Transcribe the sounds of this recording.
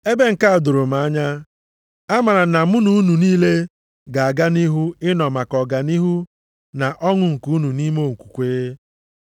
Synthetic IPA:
e˦be˦ŋ̩˨ka˦a˨dʊ˨ɾʊ˨ma˨˦ɲa˦ | a˦ma˨ɾa˨na˨mʊ˦nu˨˦u˦nu˨niː˦le˦ | ɡa˨a˨ɡa˦ni˦ɦu˦ɪ˦nɔ˨ma˨kɔ˨ɡa˨ni˦ɦu˦ | na˨ʔɔ˦ŋʊ˨ŋ̩˨ku˨˦u˦nu˨ni˦mo˦˨ŋ̩˨kʷu̥˨kʷeː˦e˦

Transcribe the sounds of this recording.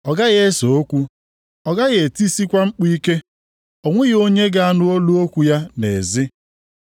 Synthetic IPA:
ɔ˨ɡa˦ɣe˦so˨o˦kʷu˦ | ɔ˨ɡa˦ɣe˨ti˦si˦kʷa˦ŋ͡m̩˦k͡pi˦ke˦ | o˨ŋʷe˦ɣo˦ɲe˦ɡa˨a˦nʊ˦o˦lu˦o˦kʷu˨ja˦nḛ˨zɪ˦

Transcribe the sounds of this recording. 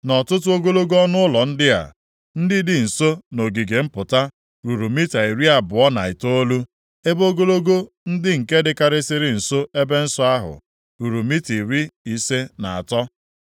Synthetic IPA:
nɔ˨tʊ˦t̬ʊ˦o˦ɡo˦lo˦ɡo˦ɔ˦nʊ˦ʊ˦lɔ˨n̩˦dɪ˦a̰˨ | n̩˦dɪ˦dɪ˨n̩˨so˦no˨ɡi˨ɡe˨m̩˦pʊ˨ta˦ | ɾu˨ɾu˨mi˦ta˨i˨ɾi˦a˨bʊ˨ɔ˦na˨ɪ˨to˦lu˦ | e˦bo˦ɡo˦lo˦ɡo˦ | n̩˦dɪ˦ŋ̩˨ke˦dɪ˦ka˦ɾɪ˦sɪ˦ɾɪ˦n̩˨so˦e˦be˦n̩˦sɔ˦a˦ɦʊ̰˨ | ɾu˨ɾu˨mi˦ti˨ɾi˦i˨se˦na˨a˨tɔ˦

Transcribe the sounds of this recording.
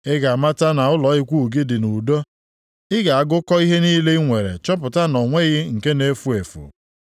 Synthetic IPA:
ɪ˦ɡa˨a˨ma˦ta˦na˨ʊ˦lɔ˨˦ɪ˦kʷu˦˨ɡɪ˦dɪ˨nu˨do˦ | ɪ˦ɡa˨a˦ɡʊ˦kɔ˦i˦ɦe˦niː˦le˦ŋʷe˨ɾḛ˨t͡ʃɔ˦p̬ʊ˨ta˦nɔ˨ŋʷe˦ɣɪ˦ŋ̩˨ke˦ne˦fu˦e˨fṵ˨

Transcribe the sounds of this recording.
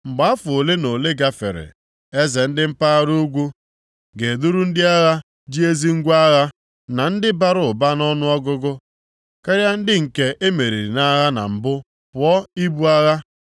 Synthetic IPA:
ŋ͡m̩˨ɡ͡ba˨a˦fʊ˨o˨le˦no˨le˦ɡa˦fḛ˨ɾḛ˨ | e˦ze˨n̩˦dɪ˦m̩˦pa˦a˦ɾu˦ɡʷu˦ | ɡe˨du˦ɾu˦n̩˦dɪ˦a˦ɣa˦ | d͡ʒi˦e˦zi˦ŋ̩˦ɡʷa˦ɣa˦ | na˨n̩˦dɪ˦ba˨ɾʊ˨ʊ˨ba˦nɔ˦nʊ˦ɔ˦ɡʊ˦ɡʊ˦ | ka˦ɾja˦n̩˦dɪ˦ŋ̩˨ke˦ʔe˦me˨ɾi˨ɾna˦ɣa˦na̰˨m̩˨bʊ˦ | pʊ˨˦ɔ˦i˦bu˦a˦ɣa˦

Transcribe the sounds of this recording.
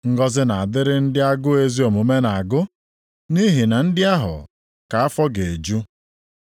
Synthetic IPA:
ŋ̩˦ɡɔ˦zɪ˦na˨a˨dɪ˦ɾɪ˦n̩˦dɪ˦a˦ɡʊ˦e˦zi˦o˨mʊ˨me˦na˨ɡʊ˦ | ni˦ɦi˨na˨n̩˦dɪ˦a˦ɦʊ̰˨ | ka˨a˦fɔ˦ɡe˨e˨d͡ʒu˦

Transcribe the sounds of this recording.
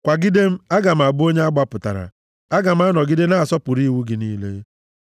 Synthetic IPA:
kʷa˨ɡɪ˦de˦m̩˦a˦ɡa˨m̩˨a˨bʊ˦o˦ɲe˦a˦ɡ͡ba˨pʊ˨ta̰˨ɾa̰˨ | a˦ɡa˨m̩˦a˦nɔ˨ɡɪ˦de˦na˦˨sɔ˦pʊ˨ɾi˦wu˦ɡɪ˨niː˦lḛ˦

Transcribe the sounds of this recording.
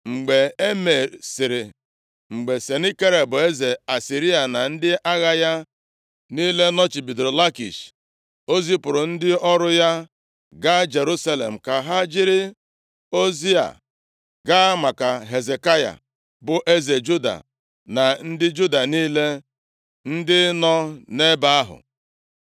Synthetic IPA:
ŋ͡m̩˨ɡ͡be˨e˦me˨ɾsɪ˨ɾɪ˨ | ŋ͡m̩˨ɡ͡be˨se˨ni˦ke˦ɾe˨bʊ˨e˦ze˨a˨si˨ɾi˦a˨na˨n̩˦dɪ˦ʔa˦ɣa˦ja˦ | niː˦le˦nɔ˦t͡ʃɪ˨bi˨dɾo˨la˦kḭ˨ʃ | o˦zi˦pʊ˨ɾʊ˨n̩˦dɪ˦ɔ˦ɾʊ˦ja˦ | ɡa˦d͡ʒe˨ɾu˦sa˦lḛ˨m̩˨ka˨ɦa˦d͡ʒɪ˦ɾɪ˦ | o˦zi˦a̰˨ | ɡa˦ma˨ka˨ɦe˨ze˨ka˦ja̰˨ | bʊ˨ʔe˦ze˨d͡ʒu˦da̰˨ | na˨n̩˦dɪ˦d͡ʒu˦da˨niː˦le˦ | n̩˦dɪ˦nɔ˦ne˦ba˦a˦ɦʊ̰˨

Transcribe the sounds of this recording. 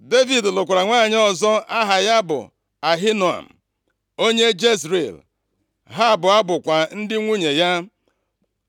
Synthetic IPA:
de˦vi˨dlʊ˨kʷɾa˨ŋʷaː˦˨ɲ˦ɔ˦˨zɔ˦a˦ɦa˨ja˦bʊ̰˨ | a˨ɦi˦no˨a̰˨m̩˨ | o˦ɲe˦d͡ʒe˦sɾḭ˨l | ɦa˦˨bʊ˨a˦bʊ˨kʷa˨n̩˦dɪ˦ŋʷu˦ɲe˨ja˦

